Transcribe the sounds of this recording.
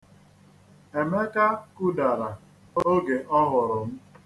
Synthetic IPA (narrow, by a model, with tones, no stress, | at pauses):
e˨me˦ka˦ku˦da˨ɾa˨ | o˦ɡe˨ʔɔ˦ɦʊ˨ɾʊ˨m̩˦